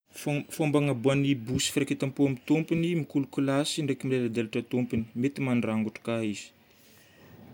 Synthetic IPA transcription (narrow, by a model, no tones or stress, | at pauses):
fombaŋabuanibusi̥fɾaket̪ampuamit̪umpinimikulukulasiɳɖ͡ʐekimilelad̪eluʈ͡ʂat̪umpini̥met̪imanraŋɡuʈ͡ʂḁkaiz̥i̥